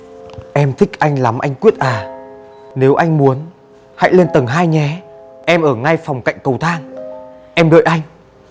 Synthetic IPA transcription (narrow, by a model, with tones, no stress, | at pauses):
ʔɛ˧mt̪ʰï˦˥k̚ʔa˧jŋ̟la˨˦mʔa̰˧jŋ̟kwi˦˥ət̚ʔaː˨˩ | ne˨˦wʔa˧jŋ̟mu˨˦ən | ha̰˧˥jle˧nt̪ə˨˩ŋɦaː˧jɲɛ˨˦ʔɛ˧mʔəː˧˩ŋa˧jfɔ˨˩wŋ͡mka̰˧˨jŋ̟kə˨˩wt̪ʰaː˧ŋʔɛ˧mɗə̰ː˧˨jʔa˧jŋ̟